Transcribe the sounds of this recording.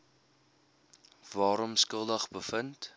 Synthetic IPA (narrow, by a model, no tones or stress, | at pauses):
vɑːɾɔmskəlˠdəχbəfənt